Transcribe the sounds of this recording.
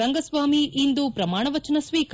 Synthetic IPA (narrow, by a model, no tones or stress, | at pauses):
ɐŋɡɐsʋaːmiʔind̪upɾɐmaːɳɐʋɐt͡ʃɐnɐsʋiːk